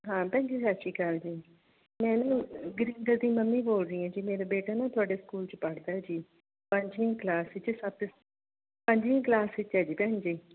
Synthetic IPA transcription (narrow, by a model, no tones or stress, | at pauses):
ɦãːpɛ̃ːɲd͡ʒeːsaʃiːkəld͡ʒiː | mɛ̃ːnːɡɾiːnɡəɾd̪ĩːməmːĩːboːlɾĩːãːd͡ʒiːmeːɾaːbeːʈaːnãːt̪ʰʊaːɖeːskuːlt͡ʃpəɽd̪aːɦɛːd͡ʒiː | pəɲd͡ʒʋĩːklaːsɪt͡ʃsəb̚ | pəɲd͡ʒʋĩːklaːsɪt͡ʃɦɛːd͡ʒiːpɛ̃ɦɲd͡ʒeː